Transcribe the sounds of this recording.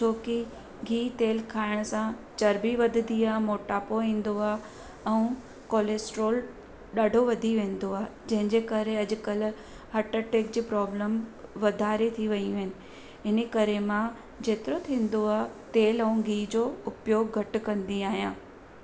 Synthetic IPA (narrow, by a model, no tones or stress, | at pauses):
t͡ɕʰoːki | ɡʱiːt̪eːlkʰaːɪɽ̃sãt͡ɕɐɾbiʋɐd̪ʱənd̪iaːɦmoːʈaːpoĩːn̆d̪oaːɦ | ɛ̃ũ | koːleːsʈɾoːl | ɗaːɖʱoʋɐd̪ʱiʋẽːnd̪oaːɦed͡ʑɐ̃ɦɪ̃ɲd͡ʑekɐɾeɐd͡ʑʊ̆kɐl | hɐʈəʈeːk̚d͡ʑiːpɾɔːbləmʋɐd̪ʱaːɾet̪ʰiʋɐĩɪnɪ̆ | ɪnekɐɾemã | d͡ʑeːt̪ɪɾot̪ʰĩːnd̪oaːt̪eːlɛ̃ũɡʱiːd͡ʑoːʊpjoːɡːʱɐʈ̆kɐ̃nd̪iaːɦijãː